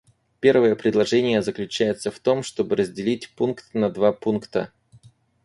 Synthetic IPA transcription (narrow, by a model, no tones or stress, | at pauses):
pʲe̞rvəjəpɾʲɪd̪lˠɐʐɛnʲɪjəzəklʲʉt͡ɕæjɪt̪səft̪o̞mʂt̪o̞bɨɾəzʲdʲɪlʲitʲpunkt̪nɐd̪vapunkt̪ə̰